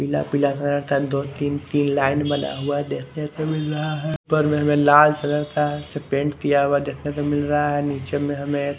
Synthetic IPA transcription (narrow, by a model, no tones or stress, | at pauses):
pila̰pilasənəɾt̪ʰad̪oːt̪iːnt̪iːnlaːɪnbəna̰ɦuad̪eːkʰnet̪omɪlɾəɦaɦɛpəɾmẽɦɐmẽlaːlsənəɾt̪ʰasepẽɳʈkijaɦuad̪eːkʰnet̪omɪlɾəɦaɦɛniːt͡ʃemẽɦɐmẽ